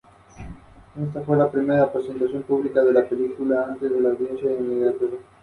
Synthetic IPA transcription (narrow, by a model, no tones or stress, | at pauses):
es̬t̪afwe̞lapɾimeɾaːpɾese̞nt̪asjo̞mpuβlikaðelapelikulaant̪ezðe̞lawβjensjaimiɣɾat̪oɾ